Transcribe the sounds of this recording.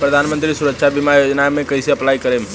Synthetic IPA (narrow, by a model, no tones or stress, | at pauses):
pɾəd̪ʱanmənt̪ɾisuɾəkt͡ʃʰabimajod͡ʒnamẽkəɦseəplajkəɾem